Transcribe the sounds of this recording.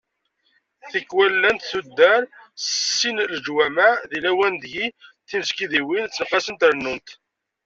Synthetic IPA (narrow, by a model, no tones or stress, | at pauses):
θəkːwælːænt̪θud̪ːəɾsəsːinləd͡ʒwæmæðilæwænd̪ʝiθinzkiðiwint͡sːənqːɑsənt̪ɾnːunt̪